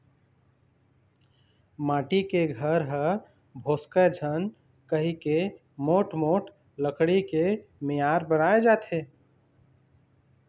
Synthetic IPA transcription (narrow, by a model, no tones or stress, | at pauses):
maːʈikeɡʱəɾɦə | bʱoskəd͡ʒʱən | kəɦike | moʈmoʈ | ləkɽikemijaɾbənaed͡ʒat̪ʰe